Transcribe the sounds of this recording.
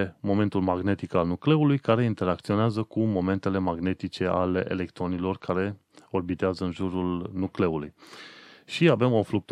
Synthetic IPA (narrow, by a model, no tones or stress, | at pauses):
emo̞me̞nt̪ulmaɡne̞t̪ikalnukle̞ulujkaɾe̞int̪e̞ɾak̚t̪sio̞neazəkumo̞me̞nt̪e̞le̞maɡne̞t̪it͡ʃe̞a̰leʔḛle̞kt̪ɾo̞nilo̞rkʰaɾe̞ | o̞rbit̪eazəɨnʒuɾulnukle̞uluj | ʃiave̞mofluk̚t̪